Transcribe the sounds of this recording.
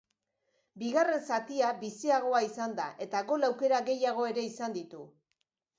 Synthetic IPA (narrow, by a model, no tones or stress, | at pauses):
biɣare̞nsat̪iaβisiaɣ̞o̞aisand̪aʔe̞t̪aɣo̞lawke̞ɾaɣe̞jaɣ̞o̞e̞ɾe̞isand̪it̪u